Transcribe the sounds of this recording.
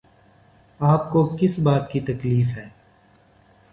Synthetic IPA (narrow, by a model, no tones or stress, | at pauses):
aːpkokɪsbaːt̪̚kit̪ɐkliːfɦɛː